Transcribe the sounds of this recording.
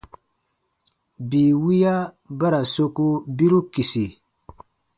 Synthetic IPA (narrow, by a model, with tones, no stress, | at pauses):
bi˨wi˦ja˦ | ba˦ɾa˨so˦ku˦bi˦ɾu˦ki˨si˨